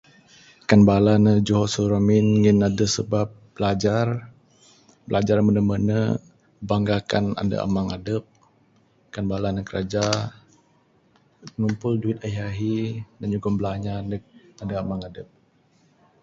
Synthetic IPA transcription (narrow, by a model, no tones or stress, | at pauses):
kanbalanəd͡ʒoɦɔsuɾaminŋinːadəsəbap̚b̥əlad͡ʒar | bəlad͡ʒarmənəmənə | baŋɡakana̰ndə̰a̰maŋadəp̚ | kanbalanəkəɾad͡ʒa | əŋumpʊlduit̪̚aiaɦidanɲuɡɔmblaɲanəandəamaŋadəp̚